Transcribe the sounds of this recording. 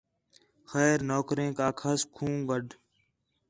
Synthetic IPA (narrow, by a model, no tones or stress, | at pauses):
xɛːɾnoːkɾẽːkaːkʰəskʰũːɡəɖʱ